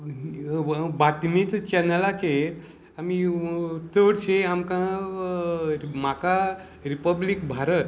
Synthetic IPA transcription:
bat̪mit͡st͡ɕɛnəlake | amit͡s̪əɽɕeamkã | maka | ɾipəblikbʱaɾət̪

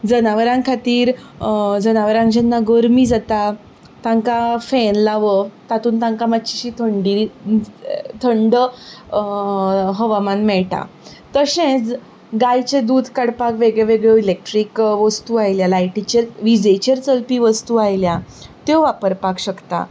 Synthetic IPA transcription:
d͡zənaʋəɾãŋkʰat̪iːɾ | d͡zənaʋəɾãŋd͡ʑɛnːaɡəɾmid͡zat̪a | t̪ãŋkafenlaʋət̪at̪uːnt̪ãŋkamat̪t͡ɕiɕiːt̪ʰəɳɖi | t̪ʰəɳɖə | ɦəʋamanmɛɭʈa̰ | t̪əɕẽt͡s | ɡajt͡ɕed̪uːd̪ʱkaɽpakʋeɡɭeʋeɡɭoilek̚ʈɾikʋəst̪uːajljalajʈit͡ɕeɾʋid͡zejt͡ɕeɾt͡səlpiːʋəst̪uːajljat̪eʋapəɾpakɕəkt̪a̰

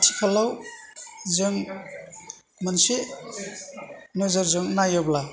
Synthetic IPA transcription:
tʰi̥kʰalaw | zɯŋ | mɯnse | nɔzɔɾzɯŋnajɔbla

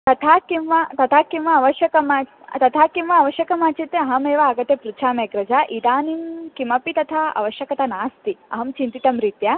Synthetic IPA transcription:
t̪ɐt̪ʰaːkimʋɐt̪ɐt̪ʰaːkimʋɐːʋɐʃjɐkɐmaː | t̪ɐt̪ʰaːkimʋɐɐʋɐʃjɐkɐmaːt͡ʃit̪eɐɦɐmeːʋɐːɡɐt̪epɾut͡ʃʰaːmeːkɾɐd͡ʒaʔid̪aːninkimɐpit̪ɐt̪ʰaːɐ̰ʋɐʃjɐkɐt̪ɐnaːst̪iɐ̰ɦɐmt͡ʃint̪it̪ɐmɾit̪jɐ

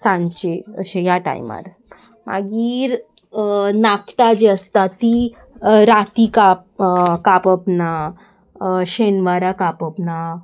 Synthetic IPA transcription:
sãɲt͡ɕeəɕejaʈa̰ḭma̰ɾ | ma̰ɡiːɾ | nakʰt̪ad͡ʑeəst̪at̪i | ɾat̪ikap̚kapəpna | ɕenʋaɾakapəpna

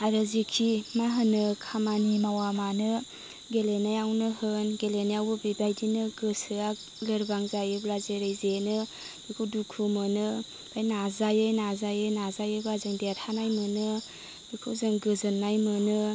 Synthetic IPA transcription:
aɾɯzikʰimaɦɯnɯkʰamanimawamanɯ | ɡelenajawnɯɦɯnɡelenajawbɯbibajdinɯɡɯsɯa | lɯɾbaŋzajɯblazeɾejzenɯ | bikʰɯwdukʰumɯnɯ | b̥ʰajnazajɯjnazajɯjnazajɯbazɯŋdeɾhanajmɯnɯ | bikʰɯzɯŋɡɯzɯnːajmɯnɯ

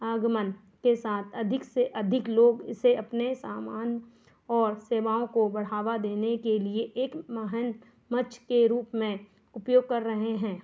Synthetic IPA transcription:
aːɡmən | kesaːt̪ʰɐd̪ʱɪkseʔɐd̪ʱɪkloːɡɪ̰seɐpnesaːmaːn | ɔːɾseːʋaːõkobɐɽ̤aːʋad̪eːnekelieʔeːkməɦən | mɐt͡ʃkeɾuːpmẽ | ʊpjoːɡ̚kɐɾːɐɦeɦɛ̃ː

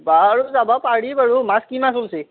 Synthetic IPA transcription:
baɽud͡zabapaɽibəɽumaskimasulse

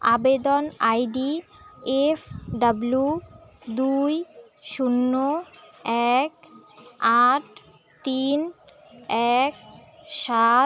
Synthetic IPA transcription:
abed̪onajɖiepʰɖablud̪uj | ʃunːoɛk | aʈ̚ʰ | t̪in | ɛk̚ʃa

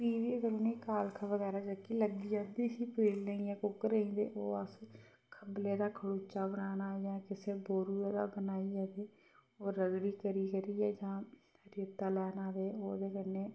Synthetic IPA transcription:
biːʋikəɾoːniːkaːlkʰəʋəd̪aːɾaːd͡ʒəkiləɡiːad̪iːɦiːpeːlneĩjɛ̃ːkʊkɾəɦĩːd̪ḛːʔoːəs | kʰəbleːd̪aːkʰəɽuːt͡ʃaːbənaːnaːɛd͡ʒãːkɪseːboːɾuːd̪aːbənaːiːɛːd̪eː | oːɾəɡɽiːkəɾiːkəɾiːɛːd͡ʒãː | əɾət̪aːlɛːnaːdeːoːd̪eːkəneː

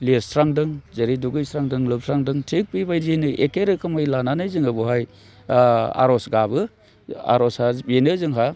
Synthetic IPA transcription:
leɾsɾaŋdɯŋzɐɾiduɡɯjsɾaŋdɯŋlɯp̚sʰɾaŋdɯŋtʰik̚pibajzinɯʔekeɾɯkʰɯmajlananɯjzɯŋɯbɔɦaj | a̰ɾɔsɡabɯ | a̰ɾɔshabenɯzɯŋɦa

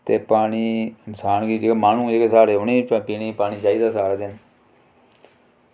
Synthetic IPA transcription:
t̪eːpaːɽ̃iːɪnsaːnɡiːd͡ʒeamaːnũːeːkesaːɾeːʊneːpiːniːpaːñiːt͡ʃaːiːd̪aːsaːɾaːd̪ɪn

